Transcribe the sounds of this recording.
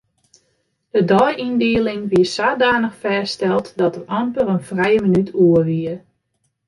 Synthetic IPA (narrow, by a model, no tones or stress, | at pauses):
d̥ədɔjʔindɪəlɪŋʋiəsaːdaːnəxfɛːstɛlˠtdɔtəʔɑmpərənfrɛjəmənytʰuəʋiə